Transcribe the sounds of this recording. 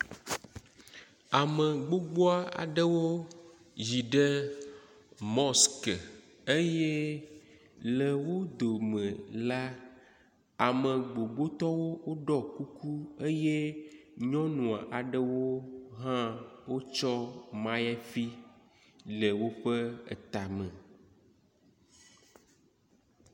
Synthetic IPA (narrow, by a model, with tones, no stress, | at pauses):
a˨mə˨ɡ͡bo˦ɡ͡bo˦a˦a̰˨ɖə˦wo˦ | zi˨ɖə˦ | mɔ˦skə˨ | e˦je˦ | lɛ˨wo˦d̪o˨mə̃˨la˦ | a˨mə˨ɡ͡bo˨ɡ͡bo˦t̪ɔ˦wo˦wo˦ɖɔ˦ku˦ku˦e˦je˦ɲɔ̃˦nũ˨a˨ʔa˨ɖə˦wo˦ɦã˦wo˦t͡ʃɔ˦mã˦jɛ˦fi˦ | le˨wo˦ɸə˦ḛ˨t̪a˨mɛ̃˨